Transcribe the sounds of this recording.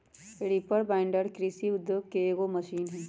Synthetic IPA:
eɽipəɽbãːɪɳɖəɽkɾisiʊd̪joːɡ̚keːɡomɐʃiːnɦɛ̃ː

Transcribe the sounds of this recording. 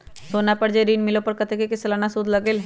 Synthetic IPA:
soːnapɐɾd͡ʒeɾiːnmɪlopɐɾkɐt̪ekekislanasud̪lɐɡel

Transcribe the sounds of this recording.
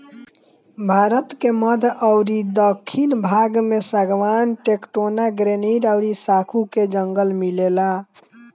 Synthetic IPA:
bʱaɾət̪keməd̪ʱəʊɾid̪əkʰːinbʱaɡmesəɡʋanʈekʈonaɡɾeniɾəʊɾisakʰuked͡ʒəŋɡəlmilela

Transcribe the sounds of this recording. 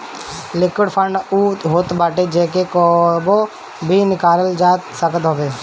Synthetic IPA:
lɪkɪɽpʰəɳɖuːɦoːt̪baːʈed͡ʒeːk̬ekɔːbo | bʱinɪkaːləld͡ʒaːt̪səkət̪ɦobeː

